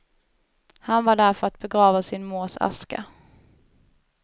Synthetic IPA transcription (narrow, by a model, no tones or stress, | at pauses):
hanvaɖæɾfœɾat̪̚bɛɡɾɑːvasɪnmoːsa̰ska̰